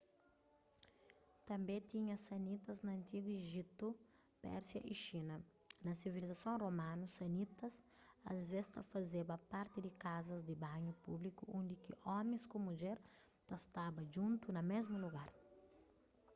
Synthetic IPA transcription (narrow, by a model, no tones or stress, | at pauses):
t̪ɐ̃mbẽt̪iɲɐsɐnit̪ɐznɐɐ̃nt̪iɡueʒit̪u | pɛ̰ɾsjɐ̰ʔiʃinɐnɐsivilizɐsõromãnusɐnit̪ɐsɐ̰zvest̪ɐ̰fɐzebɐpaɾt̪ɪd̪ɪkazɐzd̪ɪbãɲupublikuõnd̪ɪkiʔɔmẽskomud͡ʒeɾ | t̪ɐst̪abɐʒũnt̪unɐmezmuluɡaɾ